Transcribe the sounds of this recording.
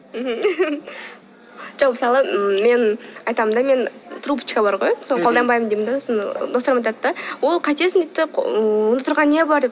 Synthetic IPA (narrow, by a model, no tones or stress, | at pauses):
m̩ɦm̩ | ʒ̥oqməsɑlˠəme̞nɑjt̪ɑmənd̪ɑme̞nt̪ʰɾupə̥t͡ʃkabɑɾʁojsonqʰolˠd̪ɑnbɑjmənd̪emnd̪ɑsnd̪o̞sɾəmɑjt̪ɑd̪əd̪ɑwo̞lˠqʰɑt̪esɪnd̪ejt̪ːɪonət̪ʰʊɾʁɑnnebɑɾd̪ep